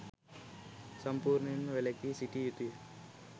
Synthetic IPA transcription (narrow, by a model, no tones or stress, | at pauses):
sɐmpuːɾninʋelekisiʈijit̪i